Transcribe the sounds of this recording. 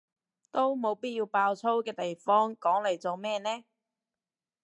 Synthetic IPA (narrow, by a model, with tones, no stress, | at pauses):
t̪o˥wmo˨˧wpiː˥t̚jiː˧wpaː˧wt͡sʰo˥wkɛː˧t̪e˨jfɔː˥ŋkɔː˨˥ŋle˨˩jt͡so˨wmɛː˥nɛː˥